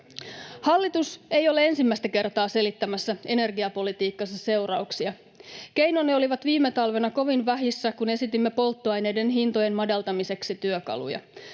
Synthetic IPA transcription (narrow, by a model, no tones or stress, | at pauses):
hɑlːit̪use̞jo̞lee̞nsimːæjst̪æke̞rt̪ɑːse̞lit̪ːæmæsːæe̞ne̞rɡiɑpo̞lit̪iːkːɑsɑse̞wrɑuksiɑ | ke̞jnonːeo̞liʋɑt̪ʋiːmːet̪ɑlʋe̞nɑko̞ʋinʋæɦisːækune̞sit̪imːe̞po̞lt̪ːoɑjne̞jde̞nɦint̪o̞je̞nmɑdɑlt̪ɑmise̞ksit̪yøkɑ̰lṵjɑ̰